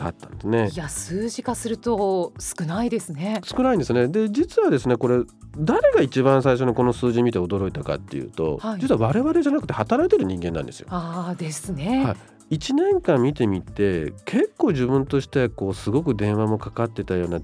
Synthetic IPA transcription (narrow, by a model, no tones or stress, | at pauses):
a̰t̪ːã̰nd̪esɨne̞ijasɨːʑikasɨɾɯ̟t̪osɨ̥kɯ̟naid̪e̞sɨnesɨ̥kɯnaĩnd̪esɨne̞d̪e̞d͡ʑit͡sɨβad̪e̞sɨne̞ko̞ɾe̞d̪aɾe̞ɡait͡ɕibãɰ̃s̬aiɕ̬o̞ɲoko̞no̞sɨːʑimʲit̪e̞od̪o̞ɾo̞it̪aka̰t̪ːe̞jɯ̰ːt̪o̞̰had͡ʑit͡sɨɯβaβ̞aɾe̞βaɾe̞ʑanakɯ̟t̪ehat̪aɾait̪e̞ɾɯ̟ɲ̟ĩŋɡe̞nːã̰nd̪e̞sɨjo̰aːd̪e̞sɨnehai | it͡ɕinẽ̞ŋkãmːʲit̪e̞mʲit̪e̞kʰe̞kːo̞ːʑibɯ̟̃nt̪o̞ɕi̥t̪eko̞ːsɨɡo̞kɯ̟d̪ẽ̞ɰ̃βamo̞kakat̪ːe̞t̪ajo̞ːna